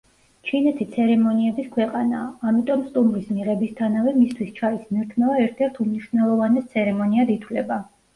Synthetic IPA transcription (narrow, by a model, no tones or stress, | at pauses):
t͡ʃʰinɛt̪ʰit̪sʰɛɾɛmɔniɛbiskʰwɛqʼanaːmit̪ʼɔmst̪ʼumɾismiʁɛbist̪ʰanavɛmist̪ʰwist͡ʃʰaismniɾt̪ʰmɛvaɛɾt̪ʰɛɾt̪ʰumniʃvnɛlˠɔvanɛst̪sʰɛɾɛmɔniad̪it̪ʰwlɛba